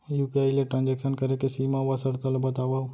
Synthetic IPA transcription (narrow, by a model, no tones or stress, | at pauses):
jupiajleʈɾãnd͡ʒekʃənkəɾekesimãʋasəɾt̪əlobət̪aʋaʋ